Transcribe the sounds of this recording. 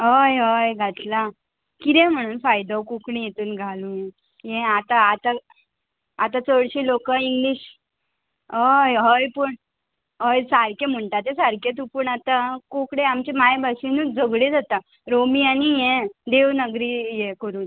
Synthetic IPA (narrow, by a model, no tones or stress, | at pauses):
ɦəjɦəjɡʱat̪la | kid̪ẽm̤əɽ̃uːnfajd̪awkukɽĩjet̪uːnɡʱalujɛ̃ | jɛ̃at̪aːt̪a | at̪ãt͡səɽɕelokəiŋɡliːɕ | ɦəjɦəjpəɳ | ɦəjsaɾkẽm̤əɳʈat̪esaɾkẽt̪̬upəɳat̪akokɽẽamt͡ɕemajbʱaɕinuːd͡zəɡɽed͡zʱat̪a | ɾomianijɛ̃d̪eʋnəɡɾijekəɾuːn